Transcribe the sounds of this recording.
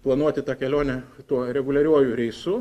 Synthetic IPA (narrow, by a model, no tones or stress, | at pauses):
plˠɐnuɔt̪ʲɪt̪ɑːkʲɛlʲoːnʲɛt̪uɔɾʲɛɡʊlʲɐɾʲuɔjʊɾʲɛɪsu